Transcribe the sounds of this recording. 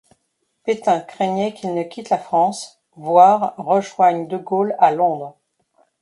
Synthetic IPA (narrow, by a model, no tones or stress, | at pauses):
pet̪ɛ̃kχɛɲɛkʲilnəkʲit̪lafχɑ̃s | vwaʁːəʒwaɲd̪əɡolalɔ̃d̪ʁ